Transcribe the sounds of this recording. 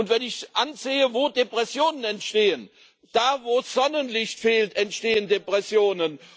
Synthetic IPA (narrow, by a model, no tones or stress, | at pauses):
ʊntv̥ɛnɪçʔanzeːəvoːdepʁ̥ɛsjoːnənɛntʃteːən | d̥aːvoːsz̥ɔnənlɪçtfeːltɛntʃteːəndepʁ̥ɛsjoːnən